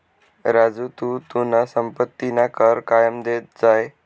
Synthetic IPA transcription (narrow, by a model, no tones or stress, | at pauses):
ɾad͡zut̪ut̪unasəmpət̪ːinakəɾkajəmd̪et̪̚d͡zaj